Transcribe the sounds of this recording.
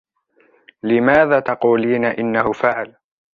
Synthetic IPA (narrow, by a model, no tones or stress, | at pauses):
lɪmaːðaːt̪ɑquːliːnaʔɪnːahʊfaʕl